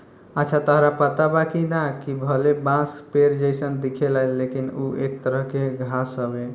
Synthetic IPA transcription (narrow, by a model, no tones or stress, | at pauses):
ətːt͡ʃʰat̪əɦɾapət̪abakid̪akibʱəlebãspeɾd͡ʒəɪsənd̪ikʰelalːekinuʔek̚t̪əɾəɦkeɡʱasəbe